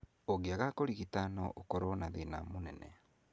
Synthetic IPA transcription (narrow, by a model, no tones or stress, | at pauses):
oɣeaɣakoɾiɣitanɔʔokɔɾɔnaðena̰monɛnɛ̰